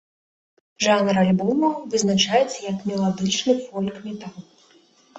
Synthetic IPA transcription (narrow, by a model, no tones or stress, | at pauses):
ʐanɾalʲbɔmɐwvɨznat͡ʂajɛt̪sːɐjɐkmʲɛlˠad̪ɨt͡ʂnɨfɔlʲkmʲɛt̪alˠ